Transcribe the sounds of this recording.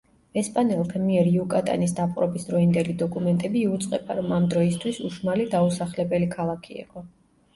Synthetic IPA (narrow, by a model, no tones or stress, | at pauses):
ɛspʼanɛlˠk̪ʰmiɛɾiukʼat̪ʼa̰nisd̪apʼqʼɾɔbisd̪ɾɔind̪ɛlid̪ɔkʼumɛnt̪ʼɛbiːut̪sʼqʼɛbaɾɔmamd̪ɾɔist̪ʰwisuʃmalid̪ausaχlɛbɛlikʰalˠakʰiḭqʼɔ